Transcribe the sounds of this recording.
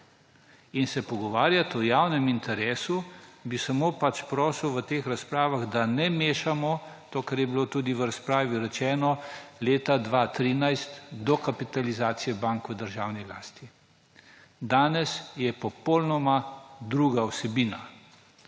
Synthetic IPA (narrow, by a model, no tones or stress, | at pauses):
insɛpɔɡɔʋaːɾjat̪ɔjawnɛmint̪ɛɾeːsubisamoːpat͡ʃpɾɔːswʋət̪eːxɾaspɾaːʋaɣd̪anɛmeːʃamɔt̪oːkɛɾjɛbilot̪uːd̪iʋəɾaspɾaːʋiɾɛt͡ʃɛːnɔleːt̪ad̪ʋaːt̪ɾiːnajst̪d̪ɔkapit̪alizaːt̪sijɛbaŋkʋəd̪əɾʒaːwnila̰ːst̪i | d̪aːnɛsjɛpɔpolnɔmad̪ɾuːɡaɔsɛbiːna